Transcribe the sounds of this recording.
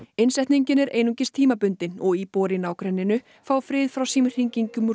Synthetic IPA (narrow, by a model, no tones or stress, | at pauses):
ɪnsɛht̪niɲcɪnɛɾeːjnuɲcɪst̪ʰiːmapʏnt̪ɪnɔɣipɔːɾɪnaːwkɾɛnːɪnʏ | faːwfɾɪːðfɾawsiːmɪr̥hiɲciɲcʏm